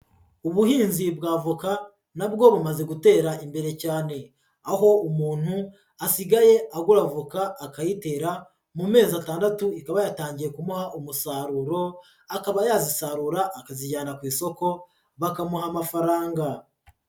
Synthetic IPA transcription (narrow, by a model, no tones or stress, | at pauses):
uβuhiːnzibɡaːvuka | nabɡo̞βumaze̞ɡute̞ːɾaimbe̞ɾe̞caːne̞ | aɦo̞umuːn̥hu | asiɡaje̞aɡuɾavukaːkajite̞ːɾa | mume̞ːzataːndatuikaβajataːɲɟiɾe̞kumuhaʔumusaːɾuɾo̞ | akaβajaːzisaɾuɾaʔːkaziɟaːnakwiːso̞ko̞ | βakamuɦamafaɾaːŋɡa